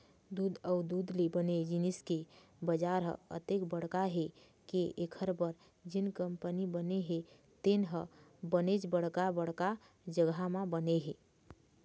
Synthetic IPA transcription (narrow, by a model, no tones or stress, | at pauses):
d̪ud̪əud̪ud̪libəned͡ʒiniskebəd͡ʒaɾɦə̰ə̰t̪ekbəɽkaɦe | keʔekʰəɾbəɾ | d͡ʒinkəmpənibəneɦe | t̪enɦəbənet͡ʃbəɽkabəɽka | d͡ʒəɡamãbəneɦe